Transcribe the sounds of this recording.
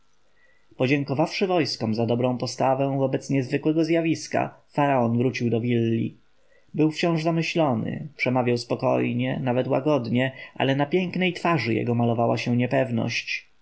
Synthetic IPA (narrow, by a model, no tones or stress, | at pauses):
pɔd͡ʑɛŋkɔvafʂɘvɔjskɔmzad̪ɔbɾɔ̃w̃pɔst̪avɛ̃w̃vɔbɛt̪sɲɛzvɘkwɛɡɔzjavʲiska̰faɾaɔnvɾut͡ɕiwd̪ɔvʲilːḭ | bɘwft͡ɕɔ̃w̃ʐzamɘɕlɔnɘ̰pʂɛmavʲjawspɔkɔ̰jɲɛnavɛt̪wa̰ɡɔd̪ɲɛʔa̰lɛnapʲjɛŋknɛjt̪faʐɘjɛ̰ɡɔmalɔvawaɕɛ̃ɲɛpɛvnɔ̰ɕt͡ɕ